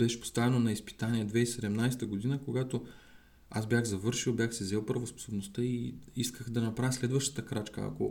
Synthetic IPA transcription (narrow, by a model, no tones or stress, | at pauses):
bɛʃɛ̥po̥st̪avɛnonɐispi̥t̪aniɛd̪vɛisɛd̪ɛmnajsɛ̥t̪əɡod̪inəkoɡat̪o | asbʲjaxzɐvɤɾʃilˠbjaxsɛzɛlˠpɾɐvospo̥sobnost̪ɤiiskəxd̪ɐnɐpɾavʲjslɛd̪vəʃt̪ə̥t̪əkɾat͡ʃkə̰a̰ko̰